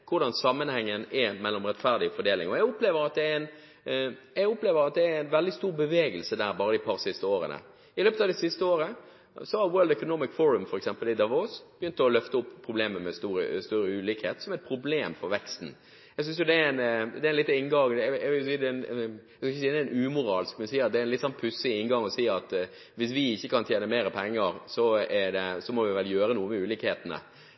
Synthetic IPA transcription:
kʰʊɾɖɑnsɑmːənhɛŋːənɛɾmɛlːɔmɾɛt̪fæɾd̪ɪɔfɔɖ̪eːlɪ̰ŋɔjæɡɔpleːʋəɾɑt̪̚d̪ɛæɾæɪn | jæɡʊpleːʋəɾɑt̪̚d̪ɛæɾæɪnʋɛld̪ɪst̪uːɾbəʋeːɡəlsəd̪æːɾbɑːɾəd̪ɪpʰɑɾsɪst̪əoːɾə̰nə̰ | ɪløːpət̪ɑd̪ɛsɪst̪əoːɾə | sɔhɑɾwøːld̪ɛkʊnɔmɪkfɔɾəmfɔɾɛksɛmpəlɪd̪ɑʋoːsb̥jʏnt̪əɔlœft̪əʊpːpʰːɾʊbleːməmɛst̪uːɾə̰st̪œɾəʉːliːkhḛːt̪sɔmæɛt̪̚pʰɾʊbleːmfɔɾʋɛkst̪n̩ | ɛɡsʏnsjʊd̪ɛæɾæɪnd̪ɛæɪnlɪt̪ːɪnɡɑŋd̪ʋɪljʊsiːd̪ɛn | skɪçəsiːd̪ɛæɪnʉːmʊɾɑːlskmɛnsiːɑt̪d̪ɛæɾɪnlɪt̪sɔnpʰʉsɪɪnɡɑŋɔsiːɑt̪ | ʋɪsʋɪɪçːəkʰɑnt̪jeːnəmeːɾəpʰɛŋːəɾsɔæd̪ɛsɔmɔʋɪʋɛljøːɾənuːəmɛʉːliːkheːt̪ənə̰

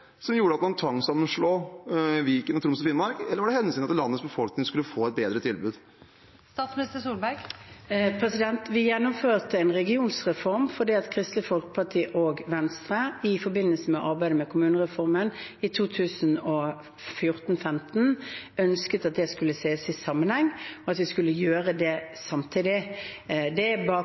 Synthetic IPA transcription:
sɔmjuːɾəɑt̪k̪ːnt̪ʰɑŋsɑmənʂɭoːʋiːkənɑt̪ɾʊmsɔfɪnmɑɾkɛlːəɾʋɑɖɛhɛnːəsiːnɑt̪lɑnːətsbəfɔlknɪŋskʉlːəfoːɛt̪̚beːd̪ɾət̪ʰɪlbʉ̰ːd̪ | st̪ɑːt̪smnɪst̪əsuːlbæɪɡ | pʰʁɛsɪd̪ɛnt̪ʋɪjɛnːʊmføːʁt̪əɛnʁɛɡɪuːnsʁɛfɔʁmfɔɖ̪iːɑt̪kʰʁɪst̪lɪfɔlkə̥pʰɑʈʰiːʔoːɡʋɛnst̪ʁəɪfɔbɪnːəlsəmɛʔɑɾbæɪd̪əmɛkʰʊmʉːnəʁɛfɔʁmənɪt̪ʰuːt̪ʰʉːsən̩ɔ | fjʊʁt̪n̩fɛmt̪n̩œnskət̪ɑt̪̚d̪ɛskʉlːəseːəsɪsɑmːənhɛŋːɔɑt̪ʋɪskʉlːəjøːʁəd̪ɛsɑmt̪ʰɪd̪ɪ | d̪ɛbɑː

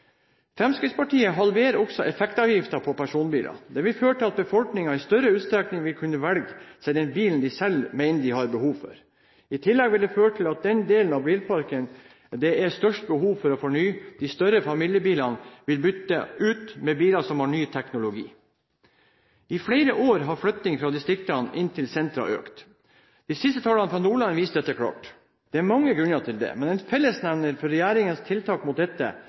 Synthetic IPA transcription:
fɾɛmskɾɪspɑʈʰiːəɦɑlʋeːɾɔɡsɔʔɛfɛkt̪ɑʋjɪft̪ɑpʰɔpʰæʂuːnbiːlʔɑ̰d̪ɛʋɪlføːəʈʰɪlɑt̪bəfɔlknɪŋɑɪst̪œɾəʉːt̪st̪ɾɛknɪŋʋɪlkʰʉnːəʋɛlɡsɛɪd̪ɛnbiːlnd̪ɪsɛlmæɪnəd̪ɪhɑɾbəhuːʋfɔ̰ɾ | ɪt̪ʰɪlːɛɡʋɪld̪ɛføːɾəʈʰɪlɑt̪̚d̪ɛnd̪eːlən̩ɑʋbiːlpʰɑɾkən | d̪ɛɛɾst̪œʂʈ̚bəhuːʋfɔɾɔfɔɳyːd̪̥ist̪œɾəfɑmɪljəbiːlɑnʋɪlbʏt̪ːəʉːt̪mɛbiːlɑsɔmhɑɳyːt̪ʰɛknʊlʊɡḭː | ɪfɽeɪɾəʔoːɾɦɑɾflœt̪nɪŋfɾɑd̪ɪst̪ɾɪkt̪ɑnʔɪnt̪ʰɪlsɛnt̪ɾɑ̰ʔø̰ːkt̪ | d̪̥isɪst̪ət̪ʰɑːlɑnəfɾɑnuːɭɑnʋiːst̪d̪ɛt̪ːəkʰɽɑ̰ːʈ | d̪̥ɛæɾmɑŋːəɡɾʉnɑʈ̪ʰɪld̪ɛ̰mɛnɛnfɛlːəsnæʋnəɾfɔɾɛjæːɾɪŋənst̪ʰɪlt̪ʰɑːkmʊt̪̚d̪ɛt̪ːə̰

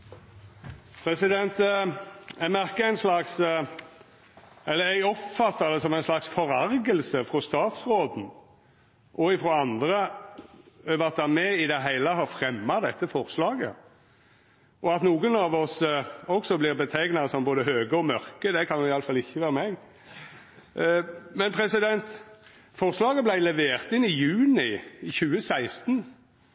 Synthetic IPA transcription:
pʰɾɛsɪd̪ɛnt̪ | æɡmæʁkəæɪnslɑks | ɛlːəɾæɡɔpfɑt̪ːɑd̪ɛsɔmæɪnslɑksfɔʁæɾɡəlsəfɾɔst̪ɑːt̪sʁoːd̪n̩ | ʔɔɪfɾɔɑnd̪ɾə | øːʋɑt̪̚d̪æmɛɪd̪ɛɦæɪləɦɑʁfʁɛmːɑd̪ɛt̪ːəfɔʁslɑːɡə̰ | ʔɔɑt̪nuːɡənɑʋɔsɔksɔblɪʁbət̪ʰæɡnɑsɔmboːd̪əɦøːɡəɔmœɾkəd̪ɛkʰɑnjʊɪɑləfɑlɪçːəʋæːɾəmɛɡ | mɛnpʰɾɛsɪd̪ɛnt̪ | fɔʁslɑːɡəblæɪlɛʋeːʁt̪ɪnɪjʉːnɪçʉːəsæɪst̪n

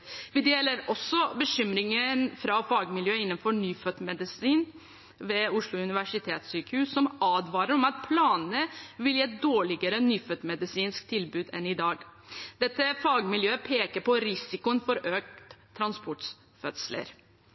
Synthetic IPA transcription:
ʋɪd̪eːləɾɔsːɔbəɕʏmɾɪŋənfɾɑfɑːɡmɪljøːɪnːənfɔɳyːfœt̪mɛd̪ɪsiːn | ʋeːʊʂɭʊʉnɪʋæʂɪt̪ʰeːt̪syːkəhʉːsːɔmɑːd̪ʋɑːɾəɾɔmɑt̪̚pʰlɑːnnəʋɪljiːɛt̪̚d̪oːɭɪɡəɾənyːfœt̪mɛd̪ɪsiːnsk̚t̪ʰɪlbʉːd̪ɛnɪd̪ɑːɡd̪̥ɛt̪ːəfɑːɡmɪljøːəpʰeːkəɾpɔɾɪsɪkʊənfɔɾøːk̚t̪ʰːɾɑnspʰɔʈs | fœt̪slə̰ɾ

